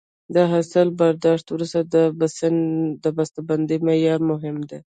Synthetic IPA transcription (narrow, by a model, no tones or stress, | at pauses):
d̪əɦasəlbaɾd̪ɑʂt̪wɾust̪ad̪əbsnd̪əbast̪aband̪imejɑɾmʊɦɪmd̪e